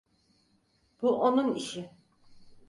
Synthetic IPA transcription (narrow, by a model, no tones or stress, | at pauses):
b̥uʔonuniʃɪ